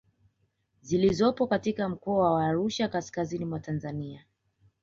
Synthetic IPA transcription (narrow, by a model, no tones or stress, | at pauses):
zilizɔpɔkatikam̩kɔawaːɾuʃakaskazinimwatanzania